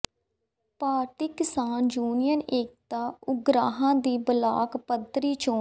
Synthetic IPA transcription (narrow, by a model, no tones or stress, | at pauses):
paːɾt̪iːkɪsaːnd͡ʒuːnijəneːk̚t̪aːʊɡɾaːɦãːd̪iːbəla̰ːkpəd̪ɾiːt͡ʃõː